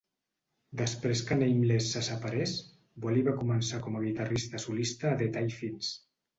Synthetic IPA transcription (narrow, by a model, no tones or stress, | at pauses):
d̪əspɾeskanejmlesːasapaɾes | baliβakumənsakɔmaɣit̪arist̪əsulist̪aːðet̪ajfins